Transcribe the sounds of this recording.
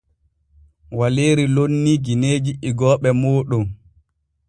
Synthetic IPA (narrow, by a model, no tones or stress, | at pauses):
waleːɾilonːiɡineːd͡ʒiʔiɡɔːɓɛmoːɗɔm